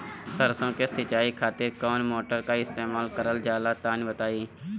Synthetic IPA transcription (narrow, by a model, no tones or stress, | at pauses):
səɾsõkesɪt͡ʃaːikʰaːt̪ɪɾkɔːnmoːʈəɾkaɪst̪eːmaːlkəɾəld͡ʒaːlat̪aːnbət̪aːiː